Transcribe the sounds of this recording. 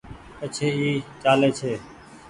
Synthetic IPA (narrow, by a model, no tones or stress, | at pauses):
ət͡ʃʰeːiːt͡ʃaːleːt͡ʃʰeː